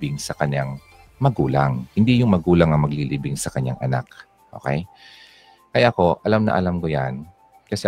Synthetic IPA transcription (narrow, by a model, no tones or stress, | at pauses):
bɪŋsɐkɐɲːaŋ | mɐɡuːlaŋhɪnd̪ijʊŋmɐɡuːlɐŋɐŋmɐɡliliːbɪŋsɐkɐɲja̰ŋʔɐnak̚ | ʔo̰ːkɛj | kɐjako̞ʔɐlamnɐ̰ʔɐlamkoja̰n | kɐsɛ